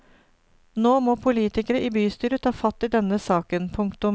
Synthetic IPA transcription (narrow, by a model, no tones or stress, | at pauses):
noːmoːpʰʊliːt̪ɪkəɾəʔiːbyːst̪yːɾət̪ʰɑːfɑt̪ːɪːd̪ɛnəsɑːkənpʰʊŋkt̪ʊm